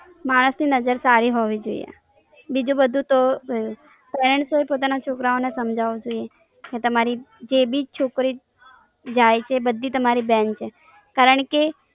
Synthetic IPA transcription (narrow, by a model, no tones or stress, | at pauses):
maɽ̃əsninəd͡ʒəɾsaɾiɦoʋid͡ʒoḭḛ | bid͡ʒũbəd̪ʱũt̪o | pɛɾəɳʈsɦoepot̪anat͡ʃʰokɾaonesəmd͡ʒʱaʋod͡ʒoie | ket̪əmaɾid͡ʒebʱid͡ʒt͡ʃʰokɾi | d͡ʒajt͡ʃʰeːbəd̪ʱːit̪əmaɾibɛnt͡ʃʰe | kaɾəɳke